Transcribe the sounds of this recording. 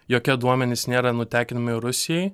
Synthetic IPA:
joːkʲɛd̪uɔmʲɛnʲɪsnʲeːɾɐnʊt̪ʲæːkʲɪnɐmɪɪɾʊsʲɪjɛɪ

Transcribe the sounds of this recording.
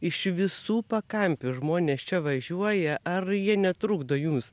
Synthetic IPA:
ɪʃʋʲɪsuːpɐkɐmʲpʲʊʒmoːnʲeːst͡ʃʲɛʋɐʒʲuɔjɛʔɐrjiɛnʲɛt̪ɾʊɡd̪oːjums

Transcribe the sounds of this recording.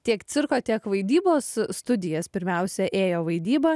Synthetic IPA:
t̪ʲiɛkt̪sʲɪɾkoːt̪ʲiɛkʋɐɪd̪ʲiːboːsst̪ʊd̪ʲɪjɛspʲɪɾʲmʲɛʊsʲɛʔeːjoːʋɐɪd̪ʲiːbɐ

